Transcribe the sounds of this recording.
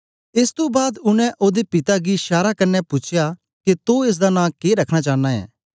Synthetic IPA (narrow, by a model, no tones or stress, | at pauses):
ɪːst̪obaːd̪ʊñɛ̃ʔoːd̪epɪt̪aɡiʃaːɾakɐɾnːɛpʊt͡ʃʰja | ket̪oeːs̬d̪anãːkeːɾɐkʰɽ̃at͡ʃaːnːaɛ̰ː